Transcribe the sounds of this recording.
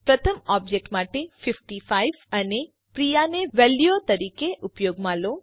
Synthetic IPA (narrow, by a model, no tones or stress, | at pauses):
pɾət̪ʰəmɔb̚d͡ʒek̚ʈmaʈefɪfʈifaiʋəne | pɾijaneʋeljot̪əɾikeʔupjoɡmãlo